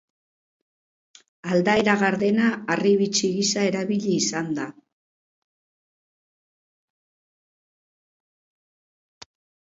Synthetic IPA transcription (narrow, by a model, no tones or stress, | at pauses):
ald̪aeɾaɣaɾðe̞naːriβit͡ʃiɣisae̞ɾaβiʎiːsand̪a